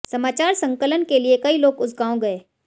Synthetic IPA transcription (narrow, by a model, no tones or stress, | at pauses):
sɐmaːt͡ʃaːɾsɐ̃ŋkələnkeliekɐiloːɡʊzɡaːõɡɐeː